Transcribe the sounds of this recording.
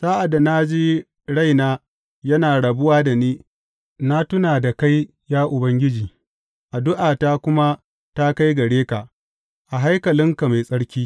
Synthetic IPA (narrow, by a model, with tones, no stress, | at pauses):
saː˦ʔa˨da˨na˦d͡ʒiː˦ | ɽa˦jnaː˦ | jɐ˦naː˨ɽɐ˨bʊ˦waː˦da˨niː˦ | na˦tʊ˦naː˨da˨ka˦j | jaː˦ʔʊ˨bɐ˦ŋɡʲɪ˦d͡ʒiː˨ | ʔa˨dʊ˦ʔaː˨ta˦kʷʊ˦ma˦ | ta˦ka˦jɡɐ˨ɽeː˦ka˨ | ʔa˨ɦa˦jkɐ˨lɪ˦ŋka˨ma˨jsʼɐ˦ɽkʲiː˦